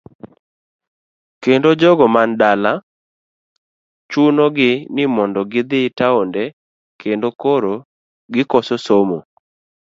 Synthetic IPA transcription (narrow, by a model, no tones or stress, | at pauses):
kendod͡ʒɔɡɔmandala | t͡ʃunoɡɪnɪmɔndɔɡɪd̪ɪtaondɛ | kʰendokoɾo | ɡɪkɔsosomo